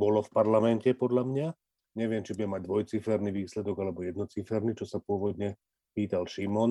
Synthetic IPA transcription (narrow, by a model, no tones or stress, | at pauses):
bɔlɔfpaɾlamɛncɛpɔd̪ʎamɲa | ɲɛʋɪɛmt͡ʃibuɟɛmːaɟ̚d̪ʋɔjt͡sifɛɾniʋiːslɛd̪ɔɡalɛbɔjɛd̪nɔt͡sifɛɾnit͡ʃɔsapʊɔʋɔd̪ɲɛ | piːt̪alʃimɔn